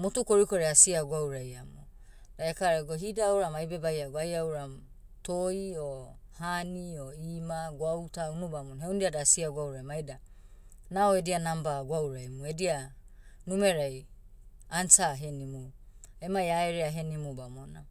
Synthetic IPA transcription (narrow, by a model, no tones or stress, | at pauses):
motukoɾikoɾeasiaɡwawɾajamo | d̥aekaɾaɡoɦidawɾamajbebajaɡwajawɾam | toiohanioimaɡwawtaunubamonɦewndiadasiaɡawɾajmajda | naoedianambaɡawɾajmuedianumeɾaj | ansaɦenimuemajaeɾeaɦe̞nimubamona